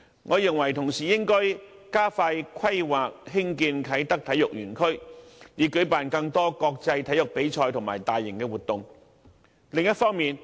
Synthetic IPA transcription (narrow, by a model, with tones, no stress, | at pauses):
ŋʔɔː˨˧jɪ˨ŋwɐ˨˩jt̪ʰʊ˨˩ŋsiː˨jɪ˥ŋkɔː˥j | kaː˥faː˧jkʰɐ˥jwaː˨k̚ɦɪ˥ŋkiː˧nkʰɐ˨˥jt̪ɐ˥k̚t̪ʰɐ˨˥jʊ˨k̚jyː˨˩nkʰɵ˥ɥliː˨˧˥kɵ˨˥ɥpaː˨˩nkɐ˧ŋt̪ɔː˥kɔː˧k̚t͡sɐ˧jt̪ʰɐ˨˥jʊ˨k̚pe˨˥jt͡ʃʰɔː˧jt̪ʰʊ˨˩ŋma̰ː˨˩jt̪aː˨jːɪ˨˩ŋkɛː˧wuː˨t̚t̪ʊ˨ŋ | lɪ˨ŋjɐ˥t̚fɔː˥ŋmiː˨n